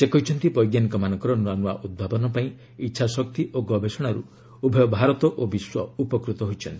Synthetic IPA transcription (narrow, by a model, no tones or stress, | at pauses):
sekɔɦit͡ʃʰɔnt̪ipɔjɡjanikɔmanɔ̃ŋkɔɾɔnuanua̰ʔud̪̚bʱabɔnɔpaĩ | itːʃʰasɔk̚t̪iʔoɡɔbʱesɔɽ̃aɾṵ | ubʱɔjɔbʱaɾɔt̪ɔʔobiswɔupɔkɾut̪ɔɦojt͡ʃʰɔnt̪i